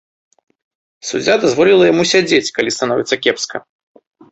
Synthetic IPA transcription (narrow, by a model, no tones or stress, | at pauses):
sṵd͡zʲːad̪azvɔlʲilˠɐjamusʲad͡zʲet͡sʲkalʲist̪anɔvʲɛt̪sɐkʲɛpskɐ